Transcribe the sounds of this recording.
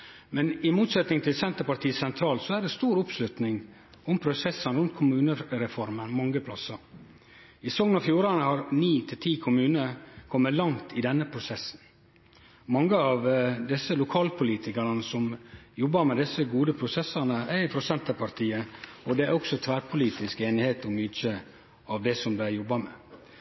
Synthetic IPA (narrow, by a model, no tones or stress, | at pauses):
mɛnɪmuːt̪sɛt̪nɪŋt̪ʰɪlsɛnt̪əɾpɑɾt̪iːəsɛnt̪ʰɾɑːlsɔæɖɛst̪uːɾʊpslʉt̪nɪŋ | ʊmpʰɾʊsɛsːənɾʉnt̪̚kʰʊmʉːnəɾɛfɔɾmənmɑŋːəpʰlɑsɑɾ | ɪsɔŋnɑfjuːɾɑnəhɑɾniːt̪ʰɪlt̪ʰiːkʰʊmʉːnəkʰɔmːət̪lɑŋt̪ʰɪd̪ɛnːəpʰɾʊsɛsːn̩ | mɑŋːəɑʋd̪ɪsːəlʊkʰɑːlpʰʊliːt̪ʰɪkəɾənəsɔmjɔbːɑɾmɛd̪ɪsːəɡuːd̪əpʰɾʊsɛsɑnəæɪpʰɾʊsɛnt̪əpʰɑɾt̪ʰiːəɔd̪ɛæɾɔksɔt̪ʰʋæːɾpʰʊliːt̪ɪskeːnɪheːt̪ɔmyːt͡ʃə | ɑʋd̪ɛsɔmblæjɔbːɑmɛː